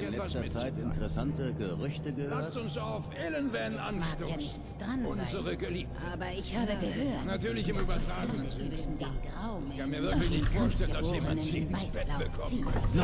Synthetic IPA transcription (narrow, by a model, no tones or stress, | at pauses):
nnlɛstɐt͡saɪtʔɪ̰ntəʁɛsantəɡəʁʏçtəɡəhøaɐsɐtʊnsaʊfʔelənvɛnʔanatojaːnɪçt͡sd̥ʁanʊnzəʁəɡəliːpʔʰəaːbɐɪçhaːbəɡəhøːɐtnatyːɐlɪçɪmybɐtʁ̥aːɡənənzɪv̥ɪʃn̩deːnɡʁaʊmkʰanmiːɐvɪɐklɪçnɪçtfuɐːʃtɛlənd̥aseːmani̥aɪb̥ɛḁəkʰɔmiːn